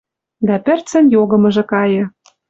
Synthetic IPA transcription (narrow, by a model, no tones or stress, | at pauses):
d̪æpɘ̆rt͡sə̆njoɣɤ̆mɤ̆ʒĕkɑjɤ̆